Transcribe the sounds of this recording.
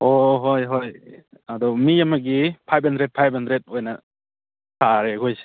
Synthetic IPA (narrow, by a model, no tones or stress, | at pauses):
ɔɦojɦoj | ad̪ɔmijamaɡipʰajp̚handɾed̚pʰajbp̚handɾet̚ojna | sʰaɾeɡojse̥